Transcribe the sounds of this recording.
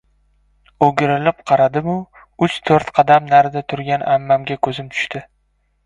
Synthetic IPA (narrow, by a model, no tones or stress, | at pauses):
oɡʲɪɾɪlɪpqʰɑɾad̪ɪmʊ | ʊt͡ʃt̪ʰoɾt̪qʰɑd̪amnaɾɪd̪at̪ʰʊɾɡʲanʔamːamɡʲakʰɵzɪmt̪ʰʊ̥ʃt̪ɪ